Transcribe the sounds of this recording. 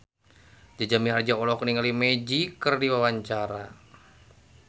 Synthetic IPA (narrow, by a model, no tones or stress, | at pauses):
d͡ʒad͡ʒamiɦard͡ʒaɔlɔkniŋalimed͡ʒikərdiwawaɲt͡ʃaɾa